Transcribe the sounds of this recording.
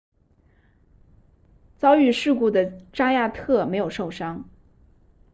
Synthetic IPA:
t͡sɑ˥ʊy˥˧ʂɻ̩˥˧ku˥˩d̪ə˩ʈ͡ʂa˥ja˥˧t̪ʰɤ˥˩me˧˥ɪjo˨˩ʊʂo˥˩ʊʂɑ˥ŋ

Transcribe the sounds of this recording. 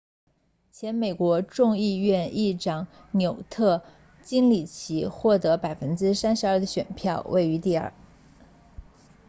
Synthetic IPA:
t͡ɕʰjɛ˧˥nme˨˩ɪkwɔ˧˥ʈ͡ʂʊ˥˧ŋi˥˧ɥɛ˥˧ni˥˩ʈ͡ʂɑ˨˩˥ŋ | njo˨˩ʊt̪ʰɤ˥˩ | t͡ɕi˥ŋli˨˩t͡ɕʰi˧˥xwɔ˥˩t̪ɤ˧˥pa˨˩ɪfə˥nʈ͡ʂɻ̩˥sa˥nʂɻ̩˧˥ɐ˞˥˩d̪ə˩ɕɥɛ˨˩npʰjɑ˥˧ʊwʔḛ˥˩ɪy˧˥t̪i˥˧ə̰˞˥˩

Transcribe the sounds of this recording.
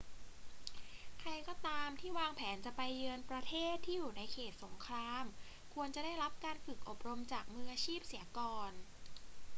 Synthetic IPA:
kʰɾa˧jkɔː˥˩t̪aː˧mt̪ʰiː˥˩waː˧ŋpʰɛː˩˦nt͡ɕa˨˩pa˧jːɯ˧ənpɾa˧t̪ʰeː˥˩t̪ʰːiː˥˩juː˨˩na˧jkʰeː˨˩t̪̚so˩˦ŋkʰɾaː˧m | kʰu˧ənt͡ɕa˨˩daː˥˩jɾa˦˥p̚kaː˧nfɯ˨˩k̚ʔo˨˩p̚ɾo˧mt͡ɕaː˨˩k̚mɯ˧˥a˧t͡ɕʰiː˥˩p̚siː˩˦kɔː˧n

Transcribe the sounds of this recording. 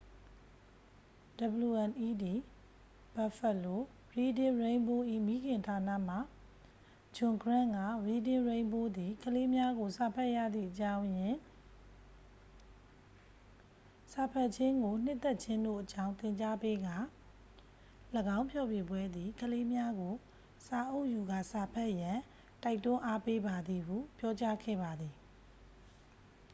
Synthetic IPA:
d̥ə˨blu˨ʔɛ̃˨nʔi˦d̪i˨ | b̥a˨fɛ˨lo˨ | ɹi˨dɪ̃˨ɹẽ˨ɪ̃mbo˦ʔḭ˦˨mi˦ɡɪ̃˨ntʰa˨na̰˦˨m̥a˨ | d͡ʑʊ̃˨ŋɡɹã˦˨ŋɡa˦˨ɹi˨dɪ̃˨ɹẽ˨ɪ̃mbo˦d̪i˨kʰəle˦mja˦ɡo˨sa˨pʰɛ˦ʔja̰˦˨d̪ðḭ˦˨ʔət͡ɕã˦ʊ̃jɪ̃˨ | sa˨pʰɛ˦ʔt͡ɕʰɪ̃˦ŋɡo˨n̥ɪ˦ʔt̪ːɛ˦ʔ̚t͡ɕʰɪ̃˦ndo̰˦˨ʔət͡ɕã˦ʊ̃t̪ɪ̃˨ɲt͡ɕa˦pe˦ɡa˦˨ | ləɡã˦ʊ̃mpʰjɔ˦˨bjɪ˨bwɛ˦d̪ði˨kʰəle˦mja˦ɡo˨ | sa˨ʔo˦˨ʔju˨ɡa̰˦˨sa˨pʰɛ˦ʔjã˨ | ta˦ɪtːʊ̃˦ʔa˦pe˦ba˨d̪ði˨ɦṵ˦˨pjɔ˦t͡ɕa˦ɡʰɛ̰˦˨ba˨d̪ði˨

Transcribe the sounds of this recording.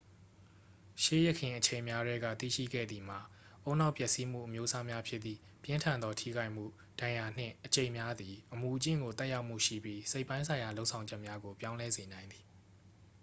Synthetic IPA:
ʃe˦˨jɛ˦˨kʰɪ̃˨ʔət͡ɕʰẽ˨ɪ̃mja˦dɛ˦ɡä̰˦˨t̪ḭ˦˨ʃḭ˦˨ɡɛ̰˦˨d̪ði˨m̥a˨ | ʔõ˦ʊ̃na˦ʊpjɛ˦ʔsi˦m̥ṵ˦˨ʔəmjo˦sa˦mja˦pʰjɪ˦t̪ːḭ˨ | pjɪ̃˦ntʰã˨nd̪ɔ˦tʰḭ˦˨ɡa˦ɪʔm̥ṵ˦˨ | d̥ã˨ja˨n̥ɪ̰̃˦˨ʔət͡ɕẽ˨ɪ̃mja˦d̪i˨ʔəmu˨t͡ɕɪ̰̃˦˨ŋɡo˨t̪ɛ˦ʔja˦ʊʔm̥ṵ˦˨ʃḭ˦˨bji˦se˦ɪʔpːã˦ɪ̃sʰã˨ɪ̃ja˨lo˦ʊʔsʰã˨ʊ̃ɲd͡ʑɛ˦ʔmja˦ɡo˨pjã˦ʊ̃lɛ˦ze˨nã˨ɪ̃nd̪ði˨

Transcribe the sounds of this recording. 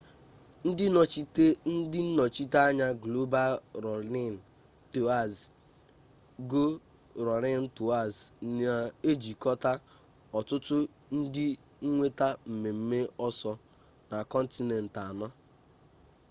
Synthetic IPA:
n̩˦ | n̩˦dɪ˦n̩˦nɔ˨t͡ʃi˦ta˦ɲa˦ɡlo˦ba˦lɾɔ˨ɾɪ˦n̩˨ | to˨a˨z | ɡo˦ | ɾɔ˨ɾɪ˦n̩˦tu˨a˦˨za˨e˦d͡ʒi˨kɔ˦ta˦ | ɔ˨tʊ˦tʊ˦ | n̩˦dɪ˦ | ŋ̩˦ŋʷe˦ta˦m̩˨me˨m̩˦me˦ɔ˦sɔ˦ | na˨kɔ˦n̩˦ti˦nɛ˨n̩˨ta˨nɔ˦

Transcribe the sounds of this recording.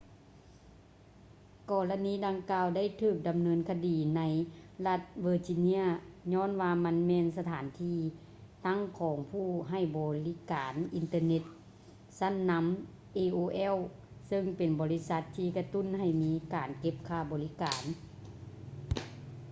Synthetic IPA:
kɔː˧la˧niː˧˥˩da˧ŋkaː˧wda˥˩˨jt̪ʰɯː˧˩k̚da˨mnɤː˧˥nkʰa˧diː˨˩na˧˦˥jla˧t̪̚ʋɤː˧˩t͡ɕi˧ni˧˥ɐɲɔː˧˥˨nwaː˧ma˧˥nmɛː˧nsa˧t̪ʰaː˨˩˦nt̪ʰiː˧ | t̪a˧˥˨ŋkʰɔː˨˦ŋpʰuː˧˩ɦa˧˩jbɔː˨˩˦li˦˧˥kaː˨˩nʔi˨nt̪ɤː˧ne˧t̪̚ | sa˧˥˨nːa˧˥m | ʔeː˧ʔoː˧ʔɛ˧˥˨w | sɤ˧ŋpe˨nbɔː˨li˦˧˥sa˧˦t̪ʰːiː˧˩ka˧t̪u˧˥˨nha˧˩jmiː˦˥kaː˨˩nke˧˥p̚kʰaː˧˩bɔː˨li˦kaː˨˩n

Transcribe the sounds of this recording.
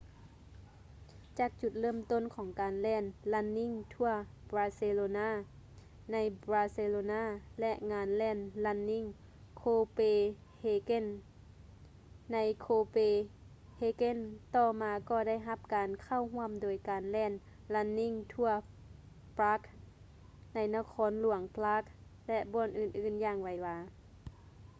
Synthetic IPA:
t͡ɕaː˨˩k̚t͡ɕu˧˩t̪̚lɤː˧˥˩mt̪o˧˥˨nkʰɔː˨˩˦ŋkaː˨nlɛː˧˥˩nla˧˥nːi˧˥˨ŋt̪ʰu˧˩ɐ | bɾaː˧se˧loː˧naː˧˥˩ | na˧˥jbɾaː˧se˧loː˧naː˧˥˩lɛ˧ʔŋaː˧nlɛː˧˩nla˧˥nːi˧˥˩ŋ | kʰoː˧peː˧ | heː˧ke˧˥˨n | a˧˥jkʰoː˧peː˧ | heː˧ke˧˥˨nt̪ɔː˧˩maː˧kɔː˧˩da˥˨jɦa˧p̚kaː˨nkʰa˧˥˩wɦu˧˥əmdoː˨jkaː˨nlɛː˧˩˨n | la˧˥nːi˧˥˨ŋt̪ʰu˧ɐ | pɾaː˦˥k̚ | na˧˥jna˧kʰɔː˧˥nlu˨˩˦əŋplaː˧˦˥k̚lɛ˧ʔbɔː˧˩˨nʔɯː˧˩nʔɯː˧˩˨njaː˧˩ŋwa˨˦jwaː˧

